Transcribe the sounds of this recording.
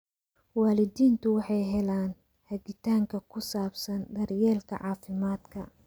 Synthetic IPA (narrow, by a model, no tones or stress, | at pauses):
waːlɪd̪iːnt̪ʰʊwɑħɑjɦɛlaːn | hɐɡɪt̪ʰaːŋkʰɐkʰʊsaːbsɐnd̪ɐrjɛːlkʰɐ̰ʕɑːfɪmaːd̪kʰɐ